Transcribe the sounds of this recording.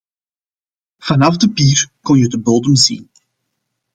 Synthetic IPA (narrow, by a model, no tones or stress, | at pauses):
v̥ɑnɑvdəpiːrkɔnjədəbolˠdəmzḭn